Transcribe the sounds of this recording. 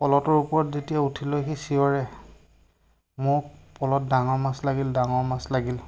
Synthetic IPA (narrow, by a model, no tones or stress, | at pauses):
pɔlɔtɔɹupɔɹɔtzetijautʰilojxisiɔɹɛ | mʊk̚pɔlɔt̚daŋɔɹmaslaɡildaŋɔɹmaslaɡil